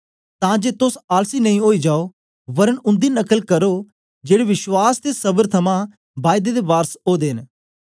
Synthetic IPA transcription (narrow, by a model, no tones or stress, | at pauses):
t̪ãːd͡ʒeːt̪ʊsaːlsiːnɐĩːɦoːid͡ʒaːo | ʋɐɾəɳʊ̃nd̪iːnɐkəlkəɾoː | d͡ʒeːɽeʋɪʃwaːst̪esəbəɾt̪ʰɐmã | baːɪd̪ed̪eʋaːɾsoːd̪eːn